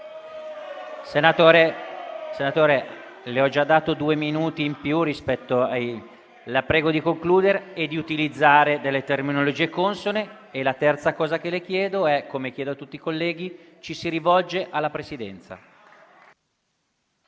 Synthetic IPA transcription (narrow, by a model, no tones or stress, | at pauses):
senat̪oːɾesenat̪oːɾe | leɔd͡ʒad̪ːaːt̪od̪uːeminuːt̪iːmpjurispɛt̪ːoa | lapɾɛːɡod̪ikoŋkluːd̪eɾeːd̪ːiut̪ilid̪zːaːɾed̪elːet̪erminolod͡ʒiːekonsone | elat̪ɛrt̪sakɔːzakelek̟jɛːd̪oɛkːomek̟jɛːd̪oat̪ut̪ːiːkolːɛːɡ̟i | t͡ʃisiɾivɔld͡ʒeʔalːapɾesid̪ɛ̰nt̪sa̰